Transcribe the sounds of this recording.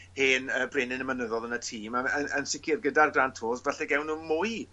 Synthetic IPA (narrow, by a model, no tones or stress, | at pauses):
heːnəbrɪnɪnəmənəðɔðənətʰiːmaənənsɪkʰɪrɡədarɡrantʰoːsvɛɬɛɡɛwnuːmʊj